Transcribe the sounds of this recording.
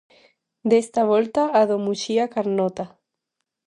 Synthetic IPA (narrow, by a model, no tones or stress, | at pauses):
d̪est̪aβolt̪aːðomuʃiakaɾnot̪a